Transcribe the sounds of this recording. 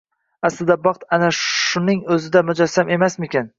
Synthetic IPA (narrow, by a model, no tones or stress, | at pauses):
aslɪd̪abɑqt̪anaʃʊnɪŋɵzɪd̪amʊd͡ʒasːame̞masmɪkʲan